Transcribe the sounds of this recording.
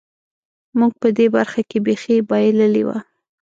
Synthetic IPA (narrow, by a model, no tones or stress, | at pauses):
muɡ̚pəd̪ebaɾxakebexibɑjeləliwa̰